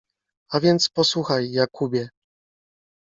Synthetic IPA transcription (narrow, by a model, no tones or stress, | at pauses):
avʲjɛnt̪spɔswuxajːakubʲjɛ